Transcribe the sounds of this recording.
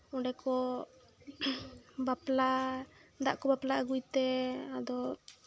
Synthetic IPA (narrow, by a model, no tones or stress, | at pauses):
ɔɖɛkɔ | bapla | d̪a̰ʔkɔbaplaaɡujt̪ɛad̪ɔ